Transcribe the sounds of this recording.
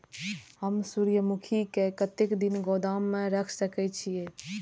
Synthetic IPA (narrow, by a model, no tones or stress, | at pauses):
həmsuːɾjəmukʰikekət̪ekd̪inɡɔːd̪aːmːẽɾəkʰsəkɛt͡ʃʰie